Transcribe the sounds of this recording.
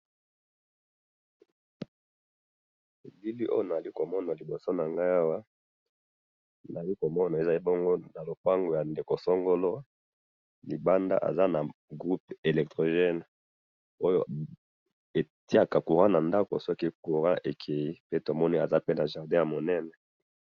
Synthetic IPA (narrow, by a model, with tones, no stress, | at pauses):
e˨bi˦li˦ʔo˦jo˦na˨li˦ko˨mɔ˦na˨li˨bo˨so˦na˨ŋɡa˦a˦wa˦ | na˨li˦ko˨mɔ˦na˨e˨za˨li˦bɔ˦ŋɡo˦na˨lo˨pa˦ŋɡo˨ja˨nde˨ko˨so˦ŋɡo˦lo˦ | li˨ba˦nda̰˦ʔa̰˨za˦na˨ɡʁu˦p̚e˨lɛ˨k̚tʁo˨ʒɛ˦n˨ | o˦jo̰˦ | e˨ti˦a˦˨ka˨ku˨ʁã˦na˨nda˦ko̰˨sɔ˦ki˦ku˨ʁã˦ʔe˨kʰe˨ji˦pe˦to˨mɔ˦ni˦a˨za˦pe˦na˨ʒa˨ʁdɛ̃˦ja˨mo˨nɛ˦nɛ˨